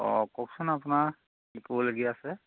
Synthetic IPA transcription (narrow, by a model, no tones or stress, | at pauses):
ɔ̰kɔksɔnapna | likulɡijasɛ